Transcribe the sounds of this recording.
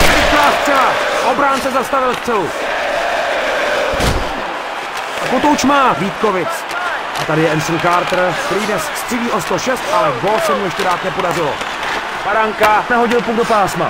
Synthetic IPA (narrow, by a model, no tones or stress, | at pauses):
ɛt͡ʃvaːst̪r̥ɛɦaʔo̞bɾaːnt͡sɛzast̪avɪlst̪t͡sɛlu | akot̪ouʃt͡ʃmaːviːt̪kovɪt͡s | ʔat̪adɪjɛɛnsonkaːɾt̪rpɾidnɛsst̪r̥ɪliːʔost̪oʃɛst̪ʔalɛvosɛmujɛʃcɛdaːt̪nɛpo̞darɪlo̰ | paɾaŋkanɛɦo̞ɟɪlpuɡ̚do̞paːsma̰